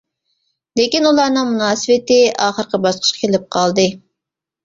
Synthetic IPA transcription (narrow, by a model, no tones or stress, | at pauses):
lekʲinulˠɑɾnɨŋmunɑːsɨvɪt̪ɪɑːχəɾqəbɑsqʰə̥ʃqʰɑ̥kʲʰelɪp̚qʰɑlˠd̪ɨ